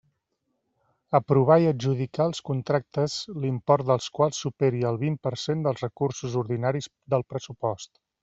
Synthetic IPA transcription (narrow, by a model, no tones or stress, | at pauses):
əpɾuβ̞ajəʒuðikaəlˠskunt̪ɾak̚t̪əzlimpɔɾt̪̚d̪əlˠskwalˠsːupeɾiəlˠβimpəɾsend̪əlˠzrəkuɾsuzuɾðinaɾiz | d̪əlˠpɾəsupɔst̪